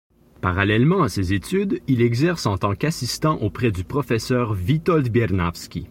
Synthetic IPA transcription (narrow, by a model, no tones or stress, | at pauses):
paʁalɛlmɑ̃asezet̪yd̪ilɛɡzɛʁsɑ̃t̪ɑ̃kasist̪ɑ̃ʔopχɛd̪ypχɔfɛsœːʁvit̪ɔld̪bjɛʁnafskʲi